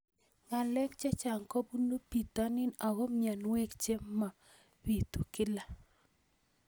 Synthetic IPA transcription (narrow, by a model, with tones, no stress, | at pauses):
ma˨lɛ˦kt͡ʃɛ˦t͡ʃa˨ŋko˦bu˦nu˦pi˨t̪a˦nɪ˦na˨ɡo˦mja˨nwɛ˦kt͡ʃe˦ma˨ | wi˨t̪u˨kɪ˦la˨